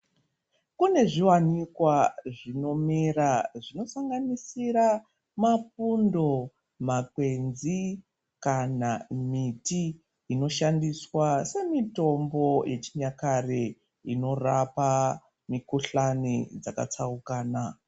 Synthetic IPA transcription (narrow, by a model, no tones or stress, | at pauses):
kune̞ʐiwanikwaʐino̞miɾaʐino̞saŋɡanisiɾa | mafundo̞ | mak̚we̞nzi | kanamitiː | no̞ʃandiswase̞mito̞mbo̞jʔe̞t͡ʃiɲakare | ino̞rapa | mikuɬanid͡zaka̰t͡saukaːna